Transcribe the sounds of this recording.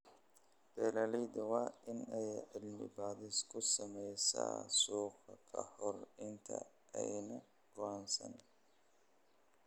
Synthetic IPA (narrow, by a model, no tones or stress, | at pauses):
b̪̥ɛːlɐlɛjd̪ɐwɑːɪnɛjʕɪlmɪ̰baːðɪskʰʊsɐmɛjsɐ̰ːsuːqʰɐkʰɐhɔrɪnt̪ʰɐ̰ | ʔɛjnɐ | ɡ̥ʊaːnsɐ̰n